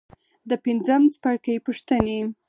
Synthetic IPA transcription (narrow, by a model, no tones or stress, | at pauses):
d̪əpind͡zəmt͡spaɽkəjpuʂt̪əne